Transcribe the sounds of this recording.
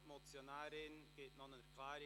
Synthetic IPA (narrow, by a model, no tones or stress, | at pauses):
mot͡sjonaːɾɪnɡ̥eːtnonənəkʰlaːɾ